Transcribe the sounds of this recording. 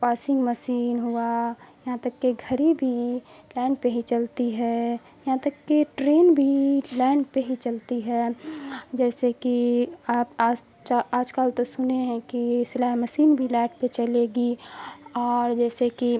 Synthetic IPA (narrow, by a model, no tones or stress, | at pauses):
paːsɪ̃ŋɡməsiːnɦuajɐɦãt̪ɐkːeɡʱəɾibʱilaːɪnpeɦit͡ʃəlt̪iɦɛ | jɐɦãt̪ɐkːeʈɾeːnbʱilaɪnpeɦit͡ʃəlt̪iɦɛ | d͡ʒɛːsekiaːpaː | t͡ʃaaːd͡ʒkaːlt̪osʊneɦɛ̃kisɪlaːməsiːnbʱilɛːʈpet͡ʃəleːɡi | ɔːɾd͡ʒɛːseki